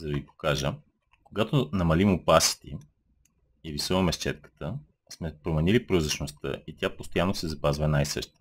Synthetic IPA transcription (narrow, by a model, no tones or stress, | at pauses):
zɐɾd̪ipo̥kaʒə | koɡat̪onɐmɐlimʊpasi̥t̪ḭ | ivisoɐmɛʃt͡ʃɛt̪̚kə̥t̪ə | smɛpɾomɛnilipɾozəʃnost̪ə̰ʔit̪ʲjapost̪ojanːosɛzɐpazvɐnajsɤ̰ʃt̪i̥